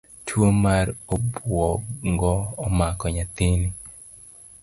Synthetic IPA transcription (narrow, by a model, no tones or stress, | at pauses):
tʰwomaɾobwɔŋɡɔːmakɔɲat̪ini